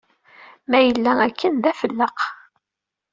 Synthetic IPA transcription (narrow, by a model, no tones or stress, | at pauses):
mæjəlːæækːənðæfəlːəq